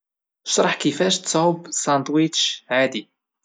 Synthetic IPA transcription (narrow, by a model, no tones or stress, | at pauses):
ʃɾˤɑħkifæʃt̪t͡sːˤʊbsæ̃nt̪wit͡ʃʕad̪i